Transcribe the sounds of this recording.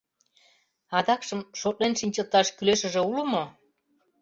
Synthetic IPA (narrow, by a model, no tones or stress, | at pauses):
ɑd̪ɑkʃə̆mʃot̪̚lenʃinʲt͡ɕə̆lt̪ɑʃkyleʃə̆ʒĕulə̆mo